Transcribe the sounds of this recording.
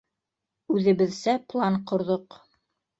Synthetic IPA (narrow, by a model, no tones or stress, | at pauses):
ʉðɘ̆βɘ̆ðsæplˠɑɴqŏɾðoq